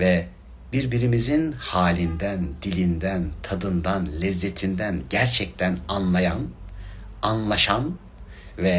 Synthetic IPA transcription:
vɛ | biɾbiɾimizinhaːlʲind̪ænd̪ilʲind̪ænt̪ʰad̪ɯnd̪anlʲɛzːet̪ʰind̪ænɟæɾt͡ʃʰɛc̚t̪ʰænanlˠajan | anlˠaʃan | vɛ

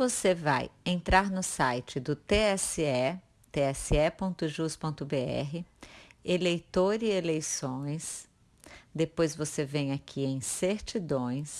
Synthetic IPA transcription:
voseva̰jẽnt̪ɾaɾnʊsajt͡ʃɪd̪ʊt̪eɛsɪɛ | t̪eɛsɪɛpõnt̪ʊʒuspõnt̪ʊbeɛ̰ɦɪelejt̪oɾɪelejsõj̃s | d̪epojzvosevẽj̃akʲʰiẽj̃seɾt͡ʃid̪õj̃s

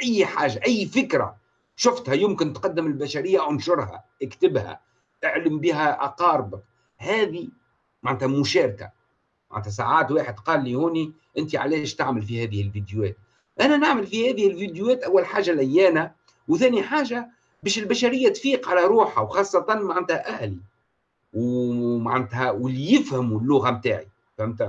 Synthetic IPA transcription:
ʔæjːħaːʒaʔæjːfɪkɾa̰ | ʃʊft̪hæjʊmkɪnt̪qɑd̪ːɪmɪlbæʃæɾɪjːaʔʊnʃʊɾˤhæ̰ʔɪkt̪ɪbhæ̰ | ʔɪʕləmbiːɦæʔɑqɑːɾˤbɪk | hæːði | maʕnt̪æmʊʃɑːɾka̰ | ma̰ʕnt̪æs̬a̰ʕaːt̪waːħɪd̪qɑːlːihuːni | ʔɪnt̪iʕa̰lɛːʃt̪aʕməlfihæːðɪhɪlvid̪juwɛːt̪̚ | ʔænænaʕməlfihæːðɪhɪlvid̪juwæːt̪ʔawːalħaːʒalʔæjːæːna | wθæːniħaːʒa | bɛːʃɪlbæʃæɾɪjːæt̪fiːqʕalæɾˤuːħawxɑːsˤːɑt̪ɑnmaʕand̪hæʔæhli | wmaʕant̪hæwɪlijɪfhɪmulːʊɣamt̪aːʕḭ | fhɪmt̪æ

